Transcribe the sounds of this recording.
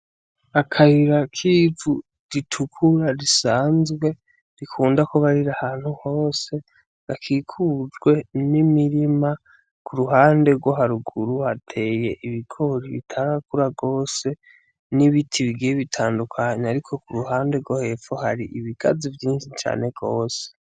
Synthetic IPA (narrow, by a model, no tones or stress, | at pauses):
akʰahiɾakʰiːvu | ɾitʰukʰuɾaɾisaːnzɡwe̞ | ɾikʰuːndakoβaɾiɾahaːn̥huho̞ːse̞ | βakʰiːkʰud͡ʒɡwe̞nimiɾima | kʰuɾuɦaːnde̞ɡwo̞ɦaɾuɡuɾuhatʰe̞ːje̞ʔiβikʰoɾiβḭtʰaːŋɡakuɾaɡo̞ːse̞ | niβitʰiβiɡieβitʰaːndukʰaɲeaɾikʰo̞kuɾuɦaːndeɾɡwo̞he̞fohaɾiʔiβiɡ̥a̰zivjiːnʃit͡ʃa̰ːne̞ɡ̥o̞ːse̥